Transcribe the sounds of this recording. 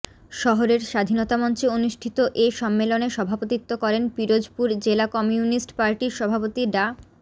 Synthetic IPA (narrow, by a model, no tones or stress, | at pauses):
ʃɔɦoɾeɾʃad̪ʱinot̪amɔnt͡ɕeonuʃʈʰit̪oʔeʃɔmːeloneʃɔbʱapot̪it̪ːokɔɾenpiɾod͡ʑpuɾd͡ʑelakɔmiunisʈpaɾʈiɾʃɔbʱapot̪iɖa